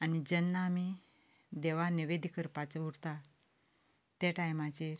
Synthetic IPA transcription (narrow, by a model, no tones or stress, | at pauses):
anid͡ʑənːami | d̪eʋaniʋed̪ʱikəɾpat͡sʋuɽt̪a | t̪eʈajmat͡ɕeɾ